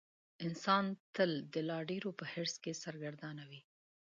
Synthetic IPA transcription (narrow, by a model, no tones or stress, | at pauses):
ɪnsɑnt̪əld̪əlɑɖeɾopəheɾskesaɾɡaɾd̪ɑnawi